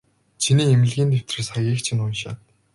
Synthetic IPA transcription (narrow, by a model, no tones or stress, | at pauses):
t͡ɕʰiniːemɘ̆ɮɣʲiːnt̪ʰew̥ʲt̪rɘ̆ːsχaɣʲiːkt͡ɕʰĭnʊnʃa̰ːt̪